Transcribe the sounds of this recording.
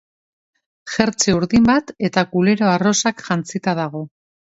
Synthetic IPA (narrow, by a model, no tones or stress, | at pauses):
ʝe̞ɾt͡seuɾðimbat̪e̞t̪akule̞ɾo̞aro̞sakʝant͡sit̪aðaɣ̞o̞